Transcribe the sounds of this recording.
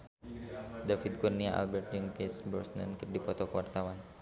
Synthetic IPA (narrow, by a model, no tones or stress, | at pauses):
dafid̪̚kurniaʔa̰lbɛrt̪̚d͡ʒiŋpɛsbɔsna̰nkərdipɔt̪ɔkəwart̪awan